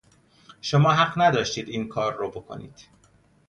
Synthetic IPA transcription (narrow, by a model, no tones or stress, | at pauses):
ʃomɒːɦæɢnæd̪ɒːʃt̪iːd̪iːnkʰɒːɾːobokʰo̰nḭːd̪̥